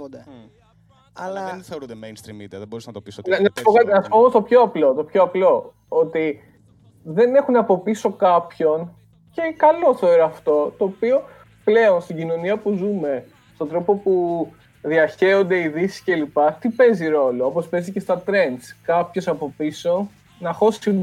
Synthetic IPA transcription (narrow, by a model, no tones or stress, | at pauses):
d̪ɐ | ɐlɐθeoɾud̪emejnst̪ɾimid̪iɐðeboɾisnɐt̪opisnɐspokɐt̪inɐspomost̪opçoɐplo̞t̪o̞pçoɐplo̞ | ot̪i | ðe̞ne̞xunɐpo̞piso̞kɐpço̞n | ce̞kɐlo̞θeoɾoɐft̪o̞t̪o̞ːpio̞ | ple̞o̞nst̪iɟino̞niɐpuzume̞ | st̪od̪ɾo̞po̞pu | ðiɐçe̞o̞nd̪e̞iðisi̥sce̞lipɐt̪ipe̞ziɾo̞loopo̞spe̞zice̞st̪ɐt̪ɾe̞nd̪skɐpço̞sɐpo̞piso̞ | nɐxo̞si